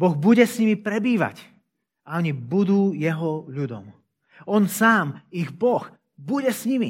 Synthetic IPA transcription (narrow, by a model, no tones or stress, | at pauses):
bɔɣbuɟɛsɲimipɾɛbiːʋa̰c | aɔɲibud̪uːjɛɦɔʎud̪ɔ̰m | ɔnsaːmiɣbɔx | buɟɛsɲimḭ